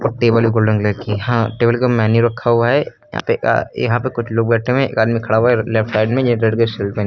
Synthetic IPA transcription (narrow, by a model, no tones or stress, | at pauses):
ɔʈeːbəlbiɡoːlɖə̃ŋɡlekhãʈeːbəlkomaːnuɾɐkʰːaɦuaɦɛ | jã̰pḛjɐ̰ɦãpekʊt͡ʃʰloːɡ̚bɛːʈʰẽmẽḛːkaːd̪mikʰɐɽaaɦɛlefʈsaːɪɖmẽd͡ʒɾeɖkesɪlpɛ̃n